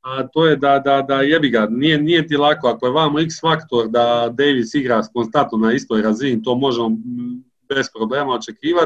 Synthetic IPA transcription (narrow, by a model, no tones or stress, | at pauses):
at̪oːjed̪ad̪ad̪ajebiɡanijenijet̪ilˠako̞akoje̞ʋaːmuiksfakt̪o̞ɾd̪ad̪ejʋisiɡɾaskonst̪ant̪nonaist̪o̞ːjɾaziːnit̪o̞ːmo̞ʒemo̞ | be̞spɾoble̞ːmaot͡ʃe̞kiːʋa